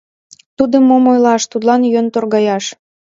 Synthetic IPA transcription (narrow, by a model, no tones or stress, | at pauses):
t̪ud̪əmːomojlɑʃt̪ud̪lɑnjønt̪orɣɑjɑʃ